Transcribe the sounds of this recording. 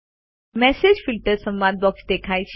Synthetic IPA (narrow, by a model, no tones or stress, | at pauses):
mɛsed͡ʑfilʈəɾsə̃mʋad̪̚bɔksd̪ekʰajt͡ɕ